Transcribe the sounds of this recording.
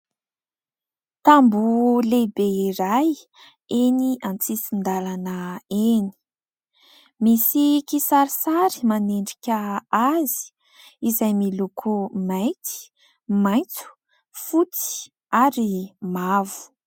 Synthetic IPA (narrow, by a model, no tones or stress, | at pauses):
t̪ambulebeiɾaj | eniʔant͡sisind̪alanəeni̥ | misikisaɾisaɾi̥maneɳɖ͡ʐikʲəazi̥ | izajmilukʰumajt̪i̥ | maj̃nt͡su̥ | fut͡si̥ | aɾimavu̥